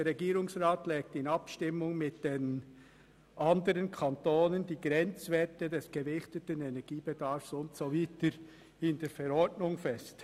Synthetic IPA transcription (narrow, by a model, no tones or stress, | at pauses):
əʁɛɡiːɾʊŋsʁaːtlɛːk̚tɪnɑpʃtɪmːʊŋmɪtd̥en | ʔɑndəɾənkʰantoːnəndiːɡɾɛnt͡svɛtədɛsɡ̥əvɪçtətənɛnɛɡ̥iːb̥edɑɾfsʊntsoviːtəɾ | ɪndeːɾfɛɾɔɹdnʊŋfɛst